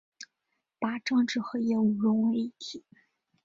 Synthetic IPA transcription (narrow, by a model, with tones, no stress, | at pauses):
pa˧˥ʈ͡ʂɑ˥˧ŋʈ͡ʂɻ̩˥˩xɤ˧˥jɛ˥˩u˨˩ɻʊ˧˥ŋwi˥˩t̪ʰi˨˩˦